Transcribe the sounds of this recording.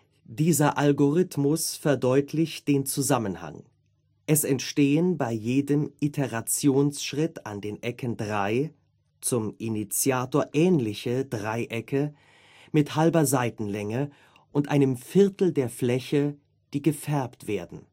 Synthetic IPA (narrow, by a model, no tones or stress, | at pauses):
d̥iːzɐʔalɡoʁɪtmʊsfɛɐdɔʏtʰlɪçtd̥eːnt͡suzamənha̰ŋ | ʔɛsɛntʃteːənbaɪjeːdəmʔitʰeʁat͡sjoːnsʃʁ̥ɪta̰ndeːnʔɛkʰəndʁaɪ | t͡sʊmʔinit͡sjaːtoːɐʔɛːnlɪçədʁaɪʔɛkə | mɪthalbɐzaɪtn̩lɛŋə | ʔʊntʔaɪnəmfɪɐtl̩deːɐflɛçə | d̥iːɡəfɛɐptv̥eːɐdn̩